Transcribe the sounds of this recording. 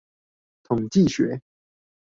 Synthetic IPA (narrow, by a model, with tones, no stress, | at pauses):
t̪ʰʊ˨˩ŋt͡ɕi˥˨ɕɥɛ˨˧˥